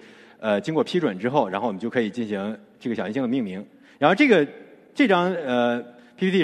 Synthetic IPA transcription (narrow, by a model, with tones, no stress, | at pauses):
ə˧t͡ɕi˥ŋkwɔ˥˩pʰi˥ʈ͡ʂwə˨˩nʈ͡ʂɻ̩˥xo˥˩ʊ̯ɻa˧˥xʊwɔ˨˩˦t͡ɕo˥˩kʰɤ˧˥i˨˩t͡ɕi˥˩nɕi˧˥ŋʈ͡ʂɤ˥˩ɡəɕjɕi˥ɕi˥d̪ə˧mi˥˩ŋmi˧˥ŋ | ɻa˧˥˧ʈ͡ʂɤ˥˩ɡə˩ | ʈ͡ʂɤ˥˩ʈ͡ʂɑ˥ŋə˧ | pʰi˥pʰi˥i˥˩